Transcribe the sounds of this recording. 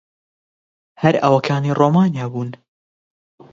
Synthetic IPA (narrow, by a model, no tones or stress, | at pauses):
hɐɾɐ̰wɐkʰaːniroːmaːnijaːbuːn